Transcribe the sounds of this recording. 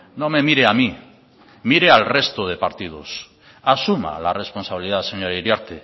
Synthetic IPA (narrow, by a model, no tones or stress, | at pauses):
no̞me̞miɾeami | miɾealre̞st̪oð̞e̞paɾt̪ið̞o̰s | asuma̰la̰re̞spo̞nsaβiliðaseɲoɾaiɾjaɾt̪e